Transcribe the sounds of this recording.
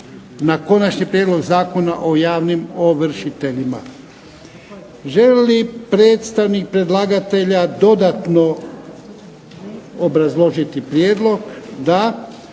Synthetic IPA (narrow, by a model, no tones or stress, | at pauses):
nako̞nat͡ʃɲipɾjeːd̪lo̞ɡzaːko̞na̰ʔo̞jaːʋnimo̞ʋr̩ʃit̪e̞ʎima̰ | ʒe̞lipɾe̞ːt̪st̪aʋnik̚pɾe̞d̪laːɡat̪e̞ʎad̪o̞d̪at̪no̞ | obɾazlˠo̞ʒit̪ipɾjeːd̪lo̞ɡd̪a